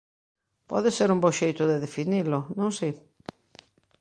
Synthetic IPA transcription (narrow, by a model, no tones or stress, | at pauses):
pɔ̰ðɪseɾumbowʃejt̪ʊðeðefinilʊnõŋsi